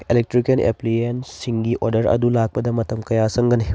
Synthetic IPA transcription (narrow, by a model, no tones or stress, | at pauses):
elek̚tɾikenḛpliensːiŋɡiʔoɾdɐɾɐ̰dulak̚pɐdɐmɐtɐmkɐjasɐŋɡɐni